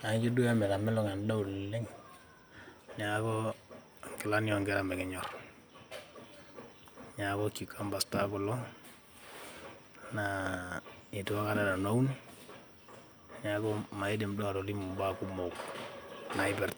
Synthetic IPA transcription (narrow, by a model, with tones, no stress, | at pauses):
a˨ŋki˦du˦ja˦mɛ˨la˨mɛ˦lɔ˦ŋa˨nda˦u˨lle˦ŋ | ɲa˨kɔ˦ | ŋkɪ˨la˦njɔ˨ŋɡɛ˦ɾa˨mɛ˨kɪ˨ɲɔ˨r | ɲa˨kɔ˦ki˨kʰa˦mba˨sta˦kɔ˨lɔ˦ | na˨ | i˨tu˨a˦ka˦da˨da˨na˦u˦ni˦ | ɲa˨kɔ˦ma˨i˦de˨mdɔ˦a˨ɾɔ˨li˦mu˨mba˦ku˦mo˨k | na˨ɪ˦bɛ˨ɾt